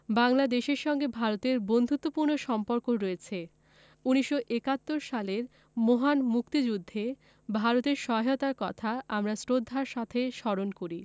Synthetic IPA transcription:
baŋlad̪eʃeɾʃɔŋɡebʱaɾot̪eɾbond̪ʱut̪ːopuɾnoʃɔmpoɾkoɾoet͡ɕʰe | uniʃːoʔekat̪ːoɾʃaleɾ | moɦanmukt̪id͡ʑud̪ʱːe | bʱaɾot̪eɾʃɔot̪aɾkɔt̪ʰaamɾasɾod̪ʱːaɾʃat̪ʰeʃɔɾonkoɾi

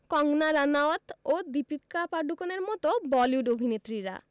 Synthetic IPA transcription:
kɔŋnaɾanaot̪od̪ipit̪kapaɖukoneɾmɔt̪obɔljuɖobʱinet̪ɾiɾa̰

